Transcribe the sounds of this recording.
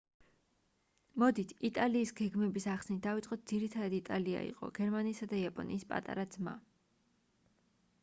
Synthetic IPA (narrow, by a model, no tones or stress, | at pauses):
mɔd̪it̪ʰit̪ʼaliːsɡɛɡmɛbisaχsnit̪̚d̪avit̪sʼqʼɔt̪̚d̪z̥iɾit̪ʰad̪ad̪it̪ʼalia̰ḭqʼɔ̰ɡ̥ɛɾmaniːsad̪aiapʼɔ̰niːspʼa̰t̪ʼa̰ɾad̪zma̰